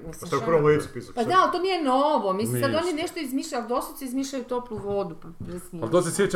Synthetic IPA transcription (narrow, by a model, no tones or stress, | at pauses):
aʃt̪akpɾʋomlesupispad̪alt̪onijenoʋomisisad̪onineʃt̪oizmiʃʎaud̪osusiizmiʃʎajut̪oplˠuʋod̪upapɾesnalˠd̪osesjet͡ɕ